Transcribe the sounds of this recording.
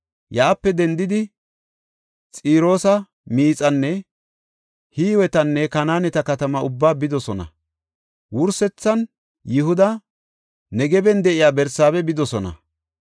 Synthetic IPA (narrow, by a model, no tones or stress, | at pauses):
jaːpːɛd̪ɛnd̪ɪd̪ɪ | t͡sʼiːɾo̞ːsɐ | miːt͡sʼɐnːɛ | hiːwɛt̪ɐnːɛkɐnaːnɛt̪ɐkɐt̪ɐmɐʊbːaːbɪd̪ɔsɔnɐ̰ | wʊɾsɛt͡sːɐn | jɪhʊd̪ɐ | nɛɡɛbɛnd̪ɛʔɪjaːbɛɾsaːβɛbɪd̪ɔsɔnɐ̰